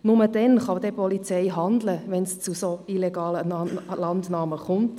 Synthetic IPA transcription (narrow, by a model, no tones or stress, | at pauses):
nʊmədɛnχɑd̪ɛpɔlit͡sɛɪɦɑnd̪ləʋɛnst͡susoileɡɑːlənlɑndnɑːməχʊnt